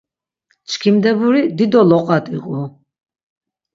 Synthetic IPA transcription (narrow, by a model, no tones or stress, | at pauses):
t͡ʃʰkʰimd̪ɛbuɾid̪id̪ɔlɔqʼat̪ʰʼiqʼu